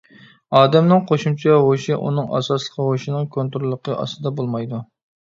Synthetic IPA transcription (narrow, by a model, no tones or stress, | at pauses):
ɑːd̪ɛmnɨŋqʰoʃumt͡ʃʰɛʁoʃiʔṵnɨŋɑ̰sɑslˠə̥qʰʁoʃinɨŋkʰont̪ɾulˠːəqʰəʔɑ̰st̪ɨd̪ɑbolˠmɑjd̪u